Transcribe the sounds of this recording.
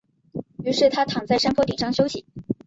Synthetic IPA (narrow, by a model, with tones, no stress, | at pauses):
y˧˥ʂɻ̩˥˩t̪ʰa˥t̪ʰɑ˨˩ŋt͡sa˥˩ɪʂa˥npʰɔ˥t̪i˨˩ʂɑ˥ŋɕjo˥ʊɕḭ˨˩˦